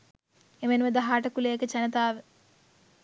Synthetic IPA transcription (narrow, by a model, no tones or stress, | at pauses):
emenʋɐd̪ɐɦaːʈɐkuleːkɐt͡ʃɐnɐt̪aːʋe